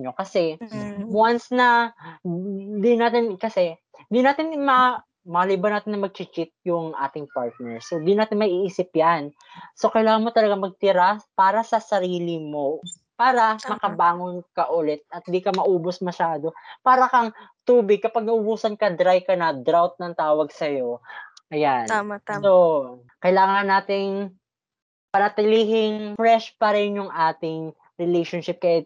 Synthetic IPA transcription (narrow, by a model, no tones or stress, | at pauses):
ɐno̞kɐsɛ | wansnɐ | d̪ɪnaːt̪ɪnkɐsɛ | nd̪ɪnaːt̪ɪnmɐ | mɐɐlibɐnaːt̪ɪnːɐmɐɡ̚t͡ʃɪt͡ʃɪt̪̚jʊŋʔa̰ːt̪ɪŋpaɹt̪̚nɛɹsod̪ɪnaːt̪ɪnmɐʔiʔiːsɪpjan | so̞kɐjlaːŋɐnmot̪ɐlɐɡaŋmɐɡ̚t̪ɪɾapaːɾɐsɐsɐɾiːlɪmo̞ | paːɾɐmɐkɐbaːŋonkɐʔʊlɛt̪̚ɐt̪̚d̪ikɐmɐʔuːbosmɐʃaːd̪o̞paːɾɐkɐŋt̪uːbɪɡ̚kɐpɐɡ̚nɐʔʊbuːsɐnkɐd̪ɾajkɐnɐd̪ɾawt̪̚nɐŋt̪aːwɐɡ̚sɐjo̞ʔɐjano | kɐjlaːŋɐnːaːt̪ɪŋ | pɐnɐt̪ɪliːɦɪŋfɾɛʃpɐɾɛnjʊŋʔaːt̪ɪŋ | ɾɛlejʃonʃɪp̚kɐʔɛ